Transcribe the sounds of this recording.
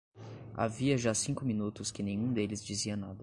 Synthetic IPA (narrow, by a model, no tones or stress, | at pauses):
a̰viɐʒasĩŋkʊminut̪ʊskɪnẽj̃ũd̪elɪzd͡ʒiziɐnad̪ɐ